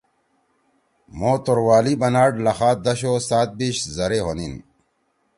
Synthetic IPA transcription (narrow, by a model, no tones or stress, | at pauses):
moːt̪oɾwaːlibɐnaːɖlɐxaːt̪̚d̪ɐɕosaːt̪̚biɕzɐɾeɦonin